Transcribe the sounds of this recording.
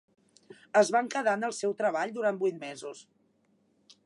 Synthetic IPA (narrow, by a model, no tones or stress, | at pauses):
əzβaŋkəðanəlˠsɛwt̪ɾəβ̞aʎd̪uɾanbujt̪mɛzus